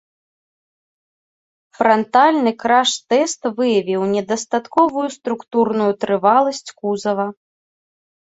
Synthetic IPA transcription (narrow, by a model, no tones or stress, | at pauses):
fɾɐnt̪alʲnɨkɾaʂt̪ɛst̪vɨjɐvʲiwnʲɛd̪ɐst̪at̪kɔvujust̪ɾukt̪urnujut̪ɾɨvalˠɐsʲt͡sʲkuzɐvɐ